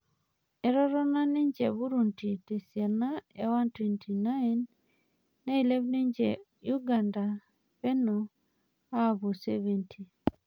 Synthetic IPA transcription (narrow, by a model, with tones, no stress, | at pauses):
ɛ˨ɾɔ˦ɾɔ˦na˦nɪ˦ɲd͡ʒe˨βu˦ɾu˨nti˨te˨sja˨na˦ɛ˦wa˦ntwe˨ntʰi˨na˦nː | a˦i˨le˦vni˦ɲd͡ʒe˨ | ju˦ɡa˨nda˨ | pɛ˦nɔ˨ | a˦bu˨seve˨ntʰi˨